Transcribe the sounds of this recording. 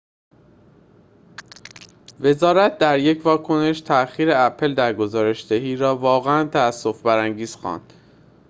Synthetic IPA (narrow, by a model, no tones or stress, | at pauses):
ve̞zɒːɾæt̪̚ʰd̪æɾje̞cʰvɒːkʰo̞ne̞ʃt̪ʰæʔxiːɾeæpʰe̞ld̪æɾɡo̞zɒːɾe̞ʃd̪eɦiːɾɒːvɒːɣeænt̪ʰææsːo̞fbæɾæŋɟiːz̥xɒ̰ːnd̪̥